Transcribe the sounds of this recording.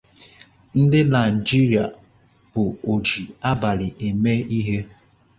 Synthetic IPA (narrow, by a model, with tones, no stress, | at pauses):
n̩˦dɪ˦na˨ɪ˨d͡ʒi˦ɾi˨a˨ | b̥ʊ˨o˨d͡ʒi˨a˦ba˨ɾɪ˨ʔe˨me˦i˦ɦe˦